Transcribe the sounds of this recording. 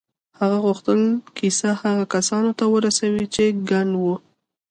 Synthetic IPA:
haɣaɣuxt̪əlkisahaɣakasɑnot̪awəɾasawit͡ʃeɡaɳɖwu

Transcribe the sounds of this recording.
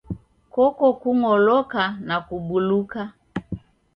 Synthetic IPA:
kɔkɔkuŋɔlɔkanakuɓuluka

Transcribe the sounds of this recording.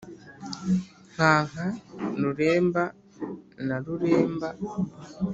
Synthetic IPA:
ŋ̥aːŋanuɾeːmba | naluɾeːmba

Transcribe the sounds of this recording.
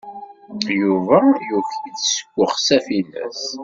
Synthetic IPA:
juvæjuçit͡ssə̥kʷːəχsæfinæ̰s

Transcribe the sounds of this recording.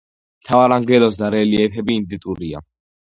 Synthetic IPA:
mt̪ʰavaɾaŋɡɛlɔs̬d̪aɾɛliɛpʰɛbiːnd̪it̪ʼuɾia̰

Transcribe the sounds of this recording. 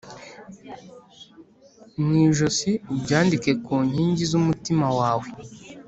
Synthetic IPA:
niʒosibɟaːndike̞kuːɲhiːɲɟizumutimawaːwe

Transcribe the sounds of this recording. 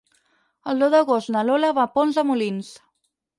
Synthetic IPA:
əlˠd̪oðəɣost̪nəloləβapɔnzəmulins

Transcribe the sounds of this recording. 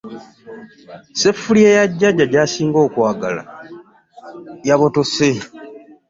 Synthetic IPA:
se̞fːulie̞ːjaɟːaɟːaɟaːsiːŋɡo̞ːkwaːɡala̰ | jaβo̞to̞se

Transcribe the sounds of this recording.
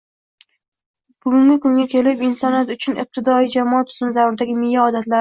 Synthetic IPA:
b̥ʊɡʊŋɡʲɪkʰʊŋɡʲakʲʰe̞lɪpɪnsɒnat̪ʊt͡ʃʰʊnɪ̰p̚t̪ʰɪd̪ɒijd͡ʒamɒt̪ʰʊ̥zɪnzavʊɾd̪aɡʲɪmɪjːaɒd̪at̪laɾ

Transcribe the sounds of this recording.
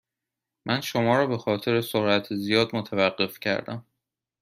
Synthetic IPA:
mʔænʃo̞mɒːɾɒːbe̞xɒːt̪ʰe̞ɾesoɾʔæt̪ʰezijɒːd̪mot̪ʰævæɢːe̞fcʰæ̰ɾd̪æ̰m

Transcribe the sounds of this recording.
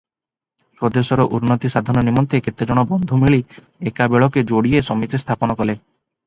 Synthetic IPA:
ʃod̪esɔɾoʔuɾnot̪iʃad̪ʱaɾnɔnimɔnt̪ʰeket̪ːed͡ʑɔɽ̃ɔbɔnd̪ʱomiɭi | ekabeɭɔked͡ʒoɽiesɔmit̪est̪ʰaponɔkɔle

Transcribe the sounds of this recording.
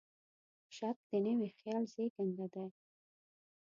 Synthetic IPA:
ʃɑt̪̚d̪̥ənəwixjɑlzeɡənd̪ad̪a

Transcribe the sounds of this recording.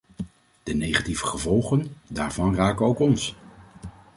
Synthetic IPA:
d̥ənejχativəχəvɔlˠχəndaːɹvɑnraːkənowkɔns

